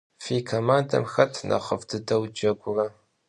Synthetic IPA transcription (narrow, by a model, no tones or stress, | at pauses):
fiːkʰomaːndɐ̰mxɐtʰnʔɐ̰χəvdʰɨdɐwd͡ʒɐɡʷʊrɐ